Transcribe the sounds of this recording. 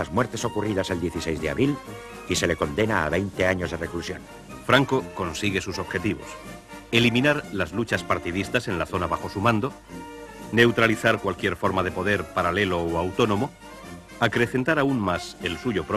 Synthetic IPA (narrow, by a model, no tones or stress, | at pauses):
azmweɾt̪e̞so̞kuriðase̞ld̪jeθisejzðea̰βɾil | ise̞le̞ko̞nd̪e̞na̰ːβejnt̪e̞aɲo̞zðereklusjõ̞̰n | fɾaŋko̞ko̞nsiɣe̞suso̞βxe̞t̪iβ̞o̞̰s | e̞limĩnaɾlazlut͡ʃaspaɾt̪iðist̪ase̞nlaθo̞naβaxo̞sumãnd̪o̞ | ne̞wt̪ɾaliθaɾkwalkje̞ɾfo̞ɾmaðe̞po̞ðe̞ɾpaɾale̞lo̞oawt̪o̞nõ̞mo̞ | akɾe̞θe̞nt̪aɾauŋmase̞lsuʝo̞pɾ